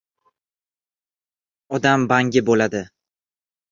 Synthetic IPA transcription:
ɒd̪ambaŋɡʲɪbolad̪ɪ

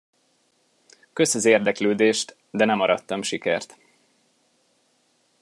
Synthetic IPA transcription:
kø̞sɒzeːrd̪ɛkløːd̪eːʃt̪ | d̪ɛnɛmɒɾʔɒt̪ːɒmʃikɛ̰rt̪

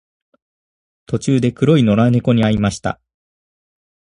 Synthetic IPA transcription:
t̪o̞t͡ɕɨːd̪e̞kɯ̟ɾo̞ino̞ɾaneko̞ɲ̟iaimaɕi̥t̪a̰

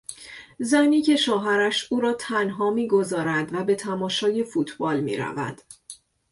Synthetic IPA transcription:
zæniːcʰe̞ʃɒːɦæɾæʃuːɾɒːt̪ʰænɦɒːmiːɡo̞zɒːɾænd̪væbe̞t̪ʰæmɒːʃɒːje̞fuːt̪ʰbɒːlmḭːɾæ̰væ̰nd̪̥

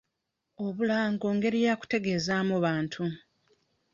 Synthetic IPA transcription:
o̞βulaːŋɡo̞ːŋɡe̞ɾijaku̥te̞ɡe̞ːzaːmoβaːntʰu

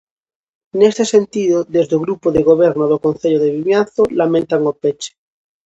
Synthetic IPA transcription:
nest̪esent̪iðoðezðeoɣɾupoðeɣoβ̞eɾnoðokonθeʎoðeβiβjanθolamẽnt̪aŋopet͡ʃe̥

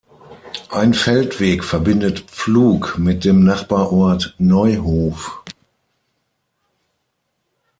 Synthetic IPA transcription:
ʔaɪnfɛltv̥eːkfɛɐbɪndətp͡fluːkmɪt̚d̥eːmnaχb̥aːɐʔɔɐtnɔʏɦoːf

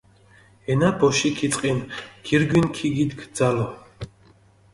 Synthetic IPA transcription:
ɛnabɔʃikʰit͡sʼqʼinɡ̥iɾɡwinkʰiɡid̪ɡʰd̪zalɔ

